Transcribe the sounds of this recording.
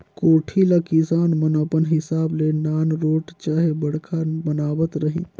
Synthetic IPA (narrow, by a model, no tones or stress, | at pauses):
koːʈʰilakisaːnmənəpənɦɪsaːblenaːnɾoːʈt͡ʃaːɦebəɽ̤kʰanbənaːʋət̪ɾəɦḭ